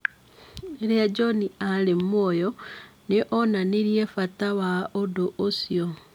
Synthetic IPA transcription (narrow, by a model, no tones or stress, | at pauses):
eɾead͡ʒɔnialemwɔjɔneʔɔnaneɾjefatawaodoʔosio